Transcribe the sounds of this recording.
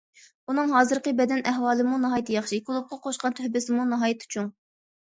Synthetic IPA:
unɨŋɦɑːzɨɾqəbɛd̪ɛnɛɦwɑːlˠɨmunɨɦɑːjit̪jɑχʃikʲʰilˠup̚qʰɑqʰoʃqɑnt̪ʰyhbɪsɪmunɨɦɑːjit̪ʰy̥t͡ʃʰuŋ

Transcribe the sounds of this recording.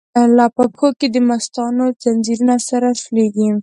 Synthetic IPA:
lapakʰoked̪əmast̪ɑnod͡zand͡ʒiɾunasaɾasleɡi

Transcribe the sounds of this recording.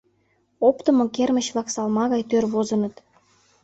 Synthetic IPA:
opt̪ə̆mokermə̆ɕβlˠɑksɑlmɑɣɑjt̪ørβozə̆nɤ̆t̪

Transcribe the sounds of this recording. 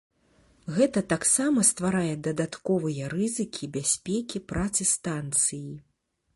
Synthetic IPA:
ɣɛt̪ɐt̪aksamɐst̪vaɾajɛd̪ɐd̪at̪kɔvɨjɐɾɨzɨkʲʰibʲasʲpʲɛkʲipɾat̪sɨst̪ant̪sɨji

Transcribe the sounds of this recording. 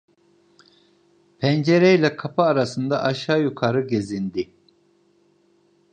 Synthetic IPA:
pʰɛnd͡ʒeɾɛjlʲɛkʰapʰɯaɾasɯnd̪aʔaʃaːjukʰaɾɯɟe̞zind̪i

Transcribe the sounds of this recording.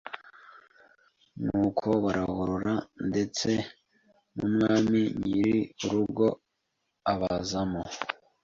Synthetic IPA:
nukʰoβaɾʔahuɾuɾande̞t͡se̞ | mṵmŋaːmiɲiɾiuɾuɡo̞ | aβazamo

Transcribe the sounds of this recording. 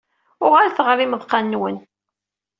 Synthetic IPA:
ʊʁalθəʁɾˤiməðˤqɑnːwən

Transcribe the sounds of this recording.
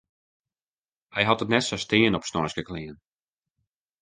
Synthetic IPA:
hɛjɦɑtətnɛtsɔstɪːənɔpsnɔɹsɡəklɪːən

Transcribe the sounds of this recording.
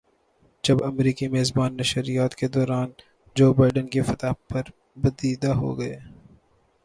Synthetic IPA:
d͡ʒɐbɐmɾiːkimeːzbaːnːɐʃɾijaːt̪ked̪ɔːɾaːn | d͡ʒoːbaːɪɖənkefɐt̪aːpɐɾ | bɐd̪iːd̪aɦo̰ɡɐeː

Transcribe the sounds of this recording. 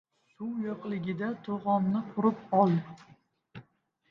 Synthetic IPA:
sʊwjoqlˠɪɡʲɪd̪at̪ʰoʁɒmnɪqʰʊɾɪpɒlˠ

